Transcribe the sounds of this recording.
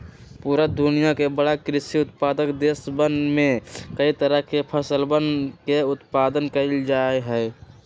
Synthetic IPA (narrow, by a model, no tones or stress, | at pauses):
puɾəd̪unijakebəɽakɾɪsiʊt̪pad̪əkd̪esbənmekəit̪əɾəɦkepʰəsəlbənkeʊt̪pad̪ənkəld͡ʒaeɦɛɪ